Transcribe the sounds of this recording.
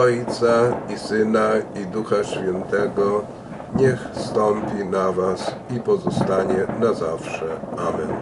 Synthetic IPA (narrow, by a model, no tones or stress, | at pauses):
ɔjt̪saisɘnaid̪uxaɕfʲjɛnt̪ɛɡɔ | ɲɛxst̪ɔmpʲinavasipɔzɔst̪aɲɛnazafʂɛamɛn